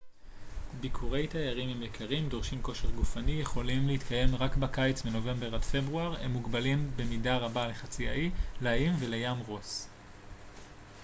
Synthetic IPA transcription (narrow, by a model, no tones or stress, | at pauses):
bikʰuʁe̞jtajaʁimimjekʰaʁimdo̞ʁʃimko̞ʃeχɡufanijeχo̞limleit̪kaje̞mʁakbakajt͡sbeno̞ve̞mbe̞ʁadfe̞bʁuaʁḛmːuɡbalimbe̞midaʁabale̞χat͡sia̰ileaimvelejamʁos